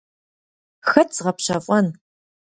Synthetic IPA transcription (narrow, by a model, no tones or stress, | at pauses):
xɐtt͡sʁɐpɕɐfʼɔn